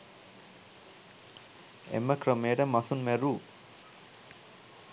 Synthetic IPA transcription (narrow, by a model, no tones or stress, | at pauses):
ḛməkrəmeːəʈəmasunmæɾuː